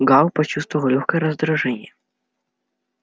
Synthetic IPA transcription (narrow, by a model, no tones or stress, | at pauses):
ɡɑwpɔt͡ʃust̪ʋɔʋwlʲuxkɐjɾɔzd̪ɾuʒɛnʲːɐ